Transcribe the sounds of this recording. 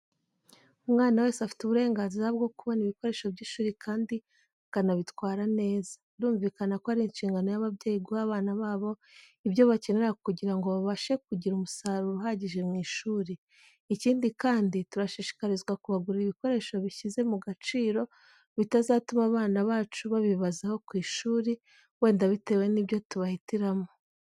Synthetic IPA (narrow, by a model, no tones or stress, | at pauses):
umŋaːnawe̞ːsafi̥tuβuɾe̞ːŋɡaːnziɾabɡo̞kuβo̞niβiko̞ɾe̞ːʃo̞bɟiːʃuːɾikʰaːndi | kanaβitwaːɾane̞ːzanɾuːɱviːkanako̞haɾinʃiːŋɡano̞jaβabɟe̞ːjiɡuhaβaːnaβaːβo̞ | ibjo̞βace̞ne̞ɾakuɟiɾaŋɡo̞βaβaʃe̞kuɟiɾumusaɾuɾuɦaɟiʒe̞mŋiːʃuːɾiː | ciːndikaːndituɾaʃiʃi̥kaɾizɡwakuβaɡuɾaiβiko̞ɾe̞ʃo̞βiçize̞muɡat͡ʃiːɾo̞ | βitazaːtumaβaːnaβaːt͡ʃuβaβiβazeho̞kwiːʃuːɾi | we̞ːndaβite̞ːwe̞niβjo̞tuβahitiɾamo